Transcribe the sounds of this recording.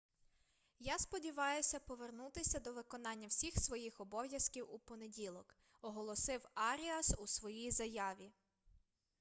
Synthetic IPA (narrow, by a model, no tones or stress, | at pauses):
jaspɔdʲiʋɑjʊsʲɐpɔʋernut̪ɪsʲɐd̪ɔʋɪkɔnɑnʲːɐwsʲixsʋɔjixɔbɔwjɐskʲiwupɔnedʲilˠɔk | ɔɦɔlˠɔsɪwɑɾʲiɐsusʋɔjijzɐjɑʋʲi